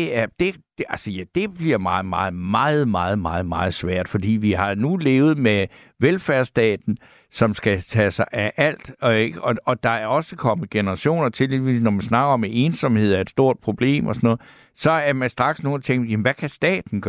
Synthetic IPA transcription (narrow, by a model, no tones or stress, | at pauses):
æɐd̥e̝d̥ælsəjæd̥e̝b̥liɐ̰mɑ̈ːð̩ˠmɑ̈ːð̩ˠmɑ̈ːð̩ˠmɑ̈ːð̞̩ˠmɑ̈ːð̞̩ˠmɑ̈ːð̞̩ˠsʋæɐ̰d̥fɒ̽d̥ḭːʋihɑ̈nule̝ːʊð̞̩ˠme | ʋelfæɐsd̥ɛ̰ːd̥n̩ | sɒ̽msɡ̥æt͡sʰɛsɑ̈ɪʔæʔæl̰d̥ɡ̥ɒ̽ɒ̽d̥ɑ̈æɐɒ̽səkʰɒ̽mn̩ɡ̥e̝nəʁɑ̈ɕo̝̰ːnɐt͡sʰe̝lʋiʋḭːsnɒmænsnɑ̈ɡ̥ɐɒ̽meʔe̝ːnsɒ̽mhe̝ð̞̰ˠæɐed̥sd̥o̝ɐ̰d̥̚pʰʁo̝b̥le̝̰ːmʔɒsɒnɔ̽ð̩ˠ | sɒ̽æɐmænsd̥ʁɑ̈ɡ̥sno̝ːnt͡sʰeŋ̰jæmnʋækʰæsd̥ɛ̰ːd̥n̩ɡ̥ɶ